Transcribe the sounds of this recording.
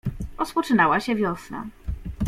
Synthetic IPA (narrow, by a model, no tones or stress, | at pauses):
ɾɔspɔt͡ʂɘnawaɕɛvʲjɔsna̰